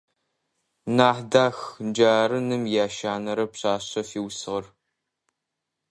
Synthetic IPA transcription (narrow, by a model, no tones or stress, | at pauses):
naːħdaːxnd͡ʒaːɾɨnɨmjaːʃaːnɐɾɐpɕaːɕɐfiːwsɨʁɐr